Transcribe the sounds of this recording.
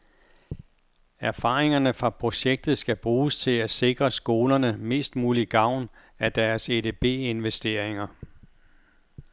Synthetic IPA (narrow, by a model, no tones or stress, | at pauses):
æɐfɑ̈ːʁeŋɐnəfʁɑ̈pʰʁo̝ɕeɡ̥̚d̥ð̩ˠsɡ̥æb̥ʁuːst͡sʰe̝læse̝ɡ̥ʁɐsɡ̥o̝ːlɐnəme̝̰ːsd̥muːliɡ̥ɑ̈ʊ̰n | æd̥æɐsed̥e̝b̥e̝̰ːe̝nʋesd̥e̝ɐ̰eŋɐ